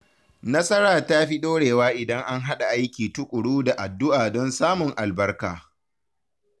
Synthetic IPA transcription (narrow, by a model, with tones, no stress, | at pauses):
nɐ˦sɐ˦ɽaː˨ta˦ɸi˦ɗoː˦ɽeː˨waː˦ʔɪ˨dɐ˦ŋʔa˦ŋɦa˦ɗa˨ʔa˦jkʲiː˨tʊ˦kʷʼʊ˨ɽuː˦da˨ʔa˨dːʊ˦ʔaː˨dɔ˦nsaː˦mʊ˨ŋʔa˨lbɐ˦rka̰ː˨